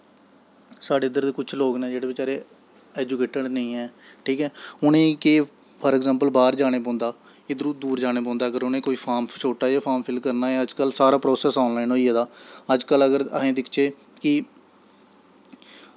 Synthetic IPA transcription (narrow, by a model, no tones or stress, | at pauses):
saːɖeːɪd̪əɾd̪eːkʊt͡ʃʰloːɡnɛ̃ːd͡ʒeːɽeːbɪt͡ʃaːɾeː | ɛːd͡ʒukeːʈəɖnəĩːɛː | ʈʰiːkɛːʊnẽːkeː | pʰəɾɛɡzãːmpəlbaːɾd͡ʒaːɽ̃eːpɔ̃ːnd̪aː | ɪːd̪əɾuːd̪uːɾd͡ʒaːɽ̃eːp̬ɔ̃ːnd̪aːəɡəɾʊnẽːkoːiːpʰaːmt͡ʃʰoːʈaːd͡ʒaːpʰaːɾmpʰɪlkəɾnaːɛːəd͡ʒkəlsaːɾaːpɾoːsɛːsɔ̃ːnlaːinoːieːd̪aːəd͡ʒkələɡəɾə̰ɦẽːd̪ɪkʰt͡ʃeː | kɪ